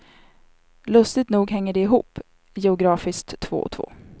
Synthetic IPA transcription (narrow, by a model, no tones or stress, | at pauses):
lɵst̪ɪɡt̪nuːɡɦɛŋːəɖɛɪɦṵːpː | jɛʊɡɾɑːfɪskt̪ʰːvo̰ːɔ̰t̪ʰvo̰ː